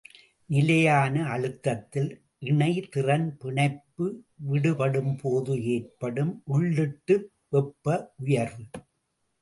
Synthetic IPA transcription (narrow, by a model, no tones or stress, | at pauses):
nɪlɐjaːnɐɐɻɯt̪ːɐt̪ːɪl | ʔɪɳɐɪt̪ɪrɐnpɪɳɐɪpːɯ | ʋɪɽɯpɐɽɯmpʰoːðɯeːrpɐɽɯmʔʊɭːɯʈːɯ | ʋɛpːɐʔʊjɐɾɯ